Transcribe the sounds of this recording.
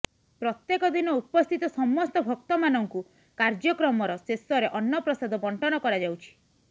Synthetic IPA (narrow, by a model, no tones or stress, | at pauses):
pɾɔt̪jekɔd̪inɔupɔst̪ʰit̪ɔsɔmːɔst̪ɔbʱɔk̚t̪ɔmanɔŋku | kaɾd͡ʒɔkɾɔmɔɾɔsesɔɾeʔɔnːɔpɾɔsad̪ʱɔbɔɳʈɔñɔkɔɾad͡ʒawt͡ʃʰi̥